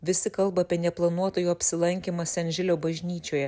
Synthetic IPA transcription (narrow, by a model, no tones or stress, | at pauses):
ʋʲɪsʲɪkɐlˠbɐːpʲiɛnʲɛplˠɐnuɔt̪oːjuːɐpʲsʲɪlˠɐŋʲkʲiːmɐsʲɛnʲʒʲɪlʲoːbɐʒʲnʲiːt͡ʃʲoːjɛ